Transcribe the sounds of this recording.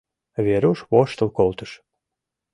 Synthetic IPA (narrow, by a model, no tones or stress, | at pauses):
βʲeɾəwʃβoʃt̪ə̆lkolˠt̪əʃ